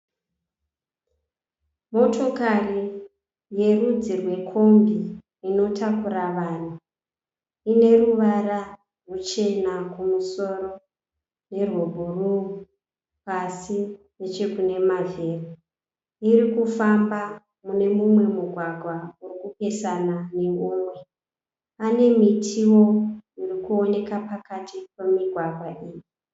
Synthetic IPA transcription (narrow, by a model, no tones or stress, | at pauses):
mo̞to̞kari | je̞rud͡zirwe̞kʰo̞mbiː | no̞tʰakuɾaʋaːn̤u | ine̞ruʋaɾa | rut͡ʃe̞nakumuso̞ɾo̞ | ne̞rwobʱuruu | pasi | net͡ʃe̞kune̞mave̞ru | iɾikufamba | mune̞mumwe̞muɡʱwaɡʱwaurikupe̞sanane̞umwe̞ | ane̞mitʰiwo̞irikuone̞kapakatik̚wemiɡʱwaɡʱwaʔiːji